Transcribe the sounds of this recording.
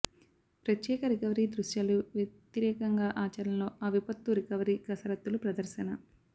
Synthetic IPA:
pɾɐt̪jɛːkɐɾikɐʋɐɾiːd̪ɾuʃjaːluʋjɐt̪iɾɛːkɐŋɡaːʔaːt͡ʃɐɾɐnlo̞ːɐʋipɐt̪ːuɾikɐʋɐɾiɡɐsɐɾɐt̪ːulupɾɐd̪ɐɾʃɐnɐ

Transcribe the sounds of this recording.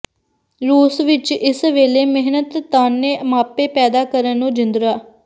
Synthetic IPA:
ɾuːsʋɪt͡ʃɪsʋeːleːmɪɦnət̪ːaːnːeːmaːpeːpɛːd̪aːkəɾənːũːd͡ʒɪnd̪ɾaː

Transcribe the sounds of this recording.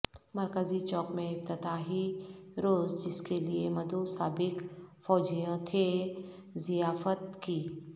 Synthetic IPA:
mɐɾkəzit͡ʃɔːkmẽɪft̪ɪd̪aːɦiɾoːzd͡ʒɪskeliemɐd̪osaːbɪkfɔːd͡ʒijõt̪ʰe | zijaːfət̪kiː

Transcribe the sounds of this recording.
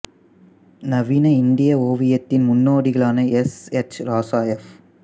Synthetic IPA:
nɐʋinɐɪnd̪ɪjɐoːʋɪjɐt̪ːɪnmʊnːoːɽɪɣɐɭaːnɐɛsɛt͡ʃɾaːsaːjɐf

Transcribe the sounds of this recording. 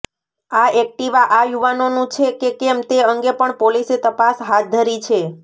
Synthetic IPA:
aɛk̚ʈiʋaʔajuʋanonũt͡ʃʰekekɛmt̪eəŋɡepəɳpoliset̪əpasɦat̪̚d̪ʱəɾit͡ʃʰe

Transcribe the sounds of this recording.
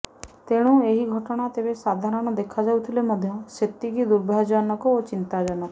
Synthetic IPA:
t̪eɽ̃ũeɦiɡʱɔʈɔɽ̃at̪ebesad̪ʱaɾɔɽ̃ɔd̪ekʰad͡ʒawt̪ʰilemɔd̪ʱjɔset̪ːikid̪uɾbʱad͡ʒɔnɔkɔot͡ʃint̪ad͡ʒɔnɔkɔ

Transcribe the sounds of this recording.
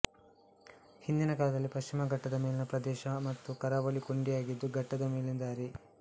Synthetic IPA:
hind̪inɐkaːlɐd̪ɐlːipɐʃt͡ʃimɐɡɐʈːɐd̪ɐmeːlinɐpɾɐd̪ɛːʃɐmɐt̪ːukɐɾaːʋɐlikoɳɖijaːɡid̪ːuɡɐʈːɐd̪ɐmeːlind̪aːɾi

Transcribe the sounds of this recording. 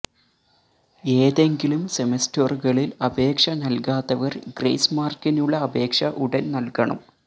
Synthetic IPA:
e̞ːðe̞ŋɡilumsemestorɣɐɭilɐbʱe̞ːkʂɐnɐlkaːt̪ːɐʋɐrɡrḛjsmaːrkinuɭːɐɐbe̞ːkʂɐʔuɽɐnnɐlkɐɳɐ̰m

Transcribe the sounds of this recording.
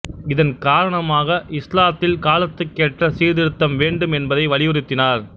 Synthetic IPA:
ɪðɐnkaːɾɐɳɐmaːɣɐʔɪslaːt̪ːɪlkaːlɐt̪ːɯkːeːʈrɐsiːɾðɪɾɯt̪ːɐmʋeːɳɖɯmɛnbɐðɐɪʋɐɭɪʋɯɾɯt̪ːɪnaːɾ

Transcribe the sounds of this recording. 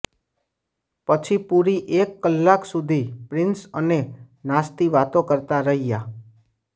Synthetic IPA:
pət͡ʃʰipuɾiʔekːəlːaksud̪ʱipɾɪnsəne | nast̪iʋat̪õkəɾt̪aɾəɦija

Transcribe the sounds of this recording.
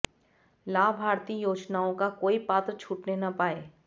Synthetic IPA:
laːbʱaːɾt̪iːjoːd͡ʒnaːõkakoːipaːt̪ɾt͡ʃʰuːʈnenapaːeː

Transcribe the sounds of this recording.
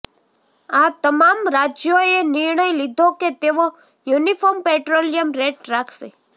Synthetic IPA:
at̪əmamɾad͡ʒjoenɪɾɳəjlid̪ʱoket̪eʋo | junifoɾmpeʈɾolijəmɾeʈɾakʰʃḛ

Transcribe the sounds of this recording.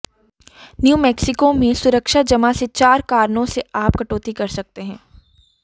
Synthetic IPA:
njuːmɛːksɪkomẽsʊɾəkʃad͡ʒɐmaset͡ʃaːɾkaːɾnõseaːpkɐʈoːt̪ikɐɾsɐk̚t̪eɦɛ̃ː

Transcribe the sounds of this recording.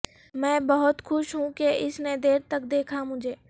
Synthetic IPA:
mɛ̃ːbɐɦʊt̪xʊʃɦũkeɪsned̪eːɾt̪ɐk̚d̪eːkʰamʊd͡ʒʱeː

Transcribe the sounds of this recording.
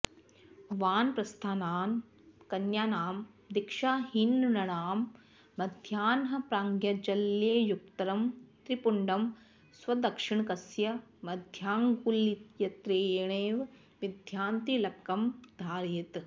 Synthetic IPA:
ʋaːnpɾɐst̪ʰaːnaːn | kɐnjaːnaːm | d̪ikʂaːɦinːnɐɳaːmː | ɐd̪ʱjaːnɦɐ̆pɾaːŋɡjɐd͡ʒɐljeːjuk̚t̪ɐɾɐmt̪ɾipuɳɖɐm | sʋɐd̪ɐkʂiɳkɐsjɐmɐd̪ʱjaːŋɡulit̪jɐt̪ɾeːɳeːʋ | ʋid̪ʱjaːnt̪ilɐɐmd̪ʱaːɾjit̪

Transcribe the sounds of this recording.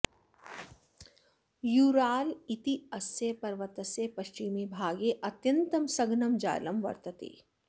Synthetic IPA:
juːɾaːlit̪iɐsjepɐɾʋɐt̪ɐsjepɐʃt͡ʃimebʱaːɡeʔɐt̪jɐ̃nt̪ɐmsɐɡnɐmd͡ʒa̰ːlɐmʋɐ̰ɾt̪ɐt̪ḛː

